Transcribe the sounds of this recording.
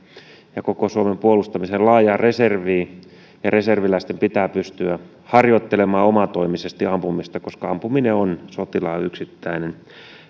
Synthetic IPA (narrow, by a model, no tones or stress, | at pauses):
jɑkokosuomempuolust̪ɑmisellɑːjɑːreserʋiː | jɑreserʋilæist̪empit̪æːpyst̪yæ | hɑrjot̪ːelemɑːomɑt̪oimisest̪iɑmpumist̪ɑkoskɑɑmpumineonsot̪ilɑːyksit̪ːæinen